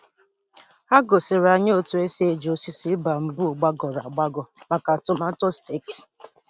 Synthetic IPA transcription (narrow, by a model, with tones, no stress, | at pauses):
a˦ɡo˨sɪ˨ɾa˨ɲe˦o˦˨tu˨e˦se˦˨d͡ʒo˨si˦si˦ba˨m̩˨bu˦˨ɡ͡ba˦ɡɔ˨ɾa˨ɡ͡ba˦ɡɔ˨ma˨ka˨tʊ˨ma˦to˦ste˦˨k